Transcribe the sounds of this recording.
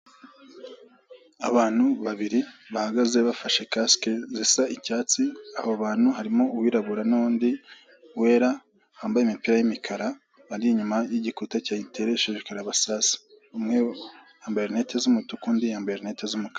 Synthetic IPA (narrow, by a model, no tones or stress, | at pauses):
a̰βaːn̥huβaβiɾiβahaɡaze̞βafaʃe̞kaskezisaicaːt͡sia̰hoβaːn̥huhaɾimo̞uwiːɾaβuɾanuuːndi | we̞ːɾa | haːmbajemipiːɾajimikʰaɾaː | ɾiɲumajiɟikutacaːitʰeɾeʃeʒekaɾaβasasi̥ | umŋe | aːmbeɾine̞tezumutukuːndiaːmbeɾne̞tezumuka